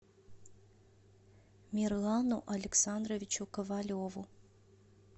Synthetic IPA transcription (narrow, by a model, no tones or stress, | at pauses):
mʲirlˠanuʔɐlʲɪksand̪rovʲit͡ʃukɐvalʲovu